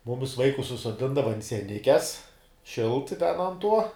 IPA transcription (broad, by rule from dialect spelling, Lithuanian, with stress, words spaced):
ˈmʊmʲɪs ˈʋɐɪkʊs sʊsoːˈdʲɪndɐʋɐ ɐnt sʲiɛˈnʲɪkʲɛs ˈʃʲɪlˠt tʲɛn ɐnt ˈtuɔ